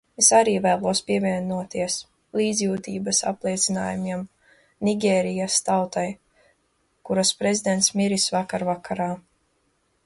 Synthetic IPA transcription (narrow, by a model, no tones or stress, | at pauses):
esaɾiːvæːlˠuɔspiɛvʲiɛnuɔt̪iɛs | lˠiːd̪zʲjuːt̪iːbasa̰plˠiɛt̪sina̰ːjumiɛm | niɡʲɛːɾijast̪awt̪aj | kuɾaspɾe̞zid̪ɛnt̪smiɾisvakaɾvakaɾaː